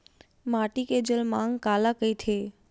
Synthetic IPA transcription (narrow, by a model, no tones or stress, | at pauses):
maʈiked͡ʒəlmãŋkalakəjt̪ʰe